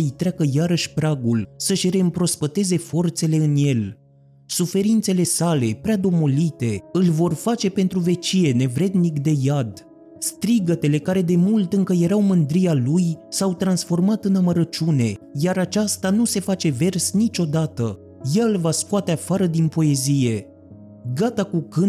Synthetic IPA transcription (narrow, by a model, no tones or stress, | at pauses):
jt̪ɾeakəjaɾəʃʲpɾaɡulsəʃʲɾe̞ɨmpɾo̞spət̪e̞ze̞fo̞rt̪se̞le̞ɨnje̞l | sufe̞ɾint̪se̞le̞sale̞pɾead̪o̞mo̞lit̪e̞ɨlʲvo̞rfat͡ʃe̞pe̞n̪t̪ɾuve̞t͡ʃije̞ne̞vɾe̞d̪nikd̪e̞jad̪ | st̪ɾiɡət̪e̞le̞kaɾe̞d̪e̞mult̪ɨŋkəje̞ɾawmɨnd̪ɾijalujsawt̪ɾansfo̞rmat̪ɨnaməɾət͡ʃune̞jaɾat͡ʃast̪anuse̞fat͡ʃe̞ve̞rsnit͡ʃʲo̞d̪at̪ə | jelvaskoat̪e̞afaɾəd̪inpo̞e̞zije̞ | ɡat̪akukɨ